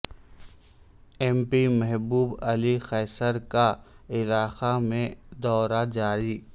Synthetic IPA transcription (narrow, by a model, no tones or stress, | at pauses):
ɛːmpimɛɦbuːbɐlixɛːsəɾka | ɪlaːxamẽd̪ɔːɾad͡ʒaːɾi